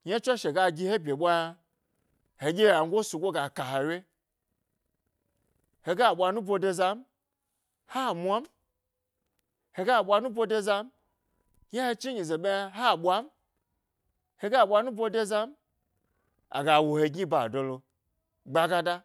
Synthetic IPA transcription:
ɲa˦t͡ʃʷa˦ʃe˨ɡa˧ɡʲi˧he˦bʲe˨ɓʷa˦˧ | he˨ɡʲe˦ja˨ŋ̩˦ɡʷo˦su˨ɡʷo˦ɡa˨ka˨ha˨wʲe˦ | he˨ɡa˦˨ɓʷa˧nu˦bo˧de˧za˧m̩˦ | ha˦˨mʷa˦m̩˦ | he˨ɡa˦˨ɓʷa˧nu˦bo˧de˦za˧m̩˦ | ɲa˦he˧t͡ʃi˦ɲi˨ze˨ɓʲe˦ɦa˦˨ɓʷa˦m˦ | he˧ɡa˦˨ɓʷa˧nu˦bo˧de˦za˦m˦ | a̰˨ɡa˨wo˨he˧ɡi˦ba˨do˨lo˧ | ɡ͡ba˧ɡa˧da˦

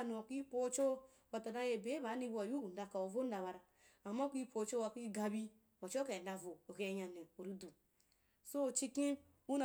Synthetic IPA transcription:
nu˨o˨ki˦po˦t͡ʃo˦ | wa˨ta˨da˦je˨be˨˦βa˨˦ni˦ba˨ju˦ɡu˨n˨da˨ka˨o˨vo˦n˦a˨βa˨ɾa˨ | a˨ma˦ki˦pʰo˨˦t͡ʃo˦wa˨ki˦ɡa˧bi˦ | a˨t͡ʃo˦ka˨da˨vo˨o˨ɡe˨˦ja˨ne˨o˨ɾi˦du˨ | so˦˨t͡ʃi˦ki˦ | u˦n˨

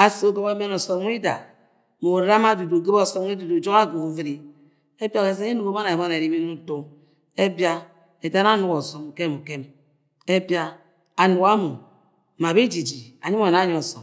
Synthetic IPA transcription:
a˨so˦ɡo˦ba˦me˦nɔ˨sɔ˨m˦i˦da˨ | mo˨ɾa˦ma˦du˨du˨ɡe˦bɔ˦˨sɔ˦m˦i˦du˨du˨d͡ʒo˦ka˦ɡu˨ku˨vi˦ɾi˦ | e˦bja˦˨e˨s̬e˦i˦nu˨ko˦ma˦na˨e˨ba˦na˨ɾi˦bi˦nu˦to˦ | e˦bja˦ | e˨da˦na˦nu˦kɔ˨so˨m˨ke˦˨mu˨ke˦m | e˦bja˦ | a˨nu˨ka˦mo˨ | ma˨bi˦d͡ʒi˨d͡ʒi˨a̰˨ɲi˦m˦a˨na˦ɲɔ˦ɔ˨sɔ˨m

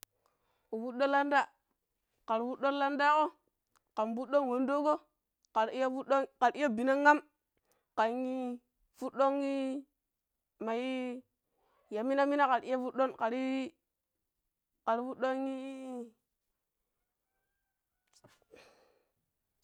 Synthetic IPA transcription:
u˨fu˦ɗo˦la˦nda˦˨ | ka˨ɾfu˦ɗo˦n˦la˦nda˦ko˦ | ka˨mbu˦ɗo˦ŋwo˨ndo˦ɡo˦ | ka˨ɾju˦ɗo˦ka˨ɾi˦jo˦bi˨na˦ŋa˦m | ka˨ŋi˦ | fu˦ɗo˦ŋːi˦ | ma˨ji˦ | ja˨mi˦na˦mi˦na˦ka˨ɾi˦a˦fu˦ɗo˦nka˨ɾi˦ | ka˨ɾi˦fu˦ɗo˦ŋi˦

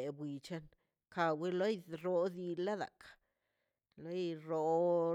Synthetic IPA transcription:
e˨bwi˨t͡ʃa˦n | ka˧wi˦lo˦jɾo˧d̪i˧la˦d̪a̰˨kḁ˨ | lo˦jɾo˧

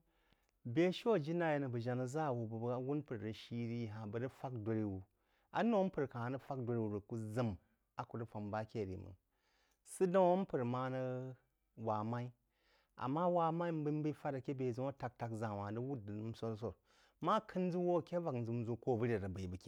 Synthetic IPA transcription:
bʲe˦ʃo˦˨d͡ʒi˦na˦je˨˦nə˨bə˨ʒa˨na˨za˦˨wu˨bə˨bwu˦npɨ˨ɾə˨ʃi˦ɾi˦˨ɦa˨bə˨ɾɨ˦fa˦kdʷo˨˧ɾi˦wu˨ | a̰˦no˦pɨ˨ɾka˨ha˨nɨ˦fa˦kdʷo˧ɾi˦wu˨ɾə˨ku˦zɨ˦m | a˨ku˨ɾə˦fa˨mba˦kʲe˦˨ɾḭ˨mɨ̰˨ | sɨ˦da˦wo˦m˦pɨ˨ɾma˦nə˦ | wa˨ma˦i˦ | a̰˨mːa˦wa˨ma˦i˦m˦bɨ˦m˦bɨ˦fa˦ɾa˨kʲe˦be˨zu˦o˦ta˧˨k̚ta˧kzã˨wa˨də˦wu˦dɨ˨n˦m˦so˦ɾs̬o˨ɾ | ma˦kʰɨ˦n˦d͡zu˦wo˦˨kʲe˦va˨kn̩˨d͡zɨ˨m˦zu˦ko˦˨bə˦ɾe˨ɾə˨bə˨i˨bɨ˨kʲe˦

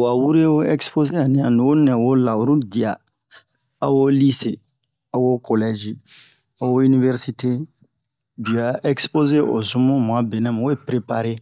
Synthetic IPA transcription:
wa˨wu˦ɾe˦o˦ɛ˦kspo˦ze˦a˨nĩ˨a˨nĩ˨o˦nɛ̃˨wo˦la˨wu˨ɾu˦di˨a˨ | a˦wo˦li˦se˨ | a˨wo˦ko˨lɛ˦d͡ʒi˦ | a˦wo˦i˦ni˦vɛ˦ɾsi˦te˦ | bi˨a˨ʔɛ˦kspo˦ze˦ʔo̰˨zũ˦mũ˦m˨a˨˦be˨nɛ̃˦m˨o˦e˦pɾe˦pa˦ɾe˦

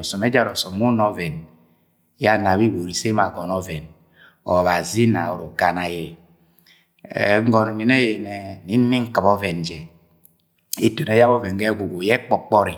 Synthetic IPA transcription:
ɔ˨sɔ˨me˦d͡ʒa˦ɾɔ˨sɔ˨mː˦u˦nɔ˦vɛ˨n | ja˦na˨βi˦wo˨ɾi˨se˦ma˨ɡɔ˨nɔ˦vɛ˨n | ɔ̰˨βa˨zi˦na˨o̰˨ɾo˨ɡa˨na˨jɛ˨ | ŋ̩˦ɡɔ˨n˨ni˨ne˦je˨nɛ˨ni˦n̩˦ni˦ŋ̩˦kɨ˨bɔ˦vɛ˨n˨d͡ʒɛ˨ | i˦to˨n˨e˦ja˦βɔ˦vɛ˨nɡɛ˦ɡu˨ɡu˨jɛ˦k͡pɔ˦˨k͡pɔ˦ɾi˨

